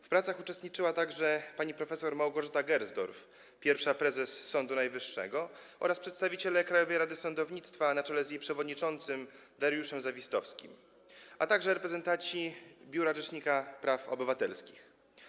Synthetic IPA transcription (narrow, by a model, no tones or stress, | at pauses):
fpɾat̪saxut͡ʂɛst̪ɲit͡ʂɘwat̪aɡʐɛpaɲipɾɔfɛsɔɾmawɡɔʐɛt̪aɡɛɾzd̪ɔ̰ɾf | pʲjɛɾfʂapɾɛzɛsːɔnd̪unajvɘʂːɛ̰ɡɔʔɔ̰ɾaspʂɛt̪st̪avʲit͡ɕelɛkɾajɔvɛjɾad̪ɘsɔnd̪ɔvɲit̪st̪fanat͡ʂɛlɛzjejpʂɛvɔd̪ɲit͡ʂɔnt̪sɘm | d̪ɛɾjuʂɛmzavʲist̪ɔfskʲḭm | at̪aɡʐɛɾɛpɾɛzɛnt̪asibʲjuɾaʐɛʂɲikapɾafɔ̰bɘvat̪ɛ̰lskʲix